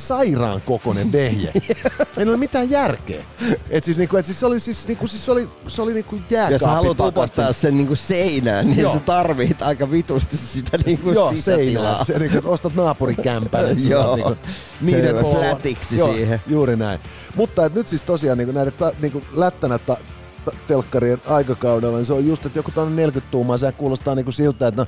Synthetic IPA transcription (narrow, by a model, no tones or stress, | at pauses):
sɑirɑ̰ːŋkokonḛmʋehjæ̰eniolmit̪æːjjærkḛːet̪siːsniːŋkuet̪siːsseolisisniːŋkusisseoli | seoliniːŋkujjæːjɑsɑehɑlut̪upɑst̪ɑːssenniːŋkusseinæ̰ːnniːset̪ɑrʋiht̪ɑikɑʋit̪ust̪issit̪æniːŋkujoːsseinæseniːŋkuet̪ost̪ɑt̪nɑːpurikæmpæejjoːniːku | niːeæt̪iksisoiːhejuːɾinæin | mut̪ːɑet̪nyt̪sist̪osiɑːniːkunæilet̪t̪ɑniːŋkulæt̪ːænæt̪ːɑ | t̪ɑt̪elkːɑɾienɑikɑkɑudelːɑniseojjust̪et̪jokut̪onːenelkyt̪t̪uːmɑːseækkuːlost̪ɑːniːŋkusilt̪ːˑæːet̪no